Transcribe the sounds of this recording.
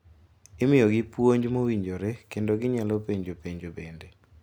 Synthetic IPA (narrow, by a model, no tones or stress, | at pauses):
ɪmɪjɔɡɪpwoɲd͡ʒmowiɲd͡ʒoɾekendoɡɪɲalɔpeɲd͡ʒopeɲd͡ʒobende